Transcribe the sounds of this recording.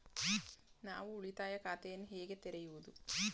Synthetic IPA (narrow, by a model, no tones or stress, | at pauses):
na̰ːʋuuɭit̪aːjɐkaːt̪ejɐnɦeːɡet̪eɾɐjuʋɐd̪u